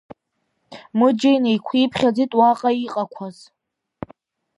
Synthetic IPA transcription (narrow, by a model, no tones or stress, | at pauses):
mɨd͡ʒejnejkʷʰipʰχʲad͡zitʼwaqʼaiqʼakʷʰaz̥